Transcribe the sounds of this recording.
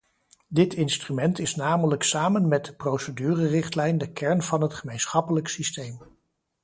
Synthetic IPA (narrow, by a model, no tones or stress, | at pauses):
dɪtɪnstrymɛntɪsnaːmələksaːmənmɛt̚dəprowsədyːrərɪχtlɛjndəkɛɹnv̥ɑnɦətχəmejnsχɑpələksistejm